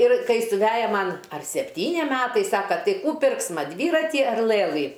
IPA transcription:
ɪr ˈkɐɪ sʊˈʋʲæːjɛ ˈmɐn ɐr sʲɛpʲˈtʲiːnʲɪ ˈmʲæːtɐɪ ˈsɑːkɐ ˈtɐɪ ˈkuː ˈpʲɪrksmɐ ˈdʲʋʲiːrɐtʲɪ ɐr ˈlˠɘlˠɨ

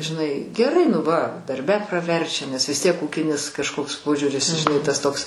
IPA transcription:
ʒʲɪˈnɐɪ ɡʲɛˈrɐɪ nʊ ˈʋɐ dɐrʲˈbʲɛ prɐˈʋʲɛrʲt͡ʃʲɛ nʲɛs ʋʲɪs ˈtʲiɛk ˈuːkʲɪnʲɪs kɐʃˈkoːks ˈpoːʒʲuːrʲɪs ʒʲɪˈnɐɪ tɐs ˈtoːks

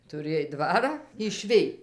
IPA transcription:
tʊˈrʲeːj ˈdʋɑːrɑː ɪʃʲˈʋʲɪj

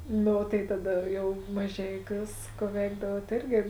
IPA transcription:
ˈnʊ oː tɐɪ tɐˈdɐ jɛʊ mɐˈʒʲɛɪˌkʲuːs ˈkʊ ˈʋʲɛɪɡdɐʋuɔt ˈeːrʲɡʲɪ

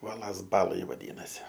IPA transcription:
ˈuɔlˠɐs ˈbɑːlˠɐj ʋɐˈdʲiːnɐsʲɪ

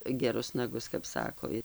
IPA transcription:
ɡʲɛˈrʊs nɐˈɡʊs kɐp ˈsɑːkoː

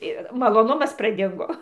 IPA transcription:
ɪr mɐlˠoːˈnʊmɐs prɐˈdʲɪŋɡoː

